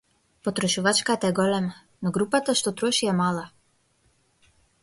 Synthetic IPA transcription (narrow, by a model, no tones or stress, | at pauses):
pɔt̪ɾɔʃuʋat͡ʃkat̪ɛɡɔlɛm | nɔɡɾupat̪aʃt̪ot̪ɾoʃijɛmaːla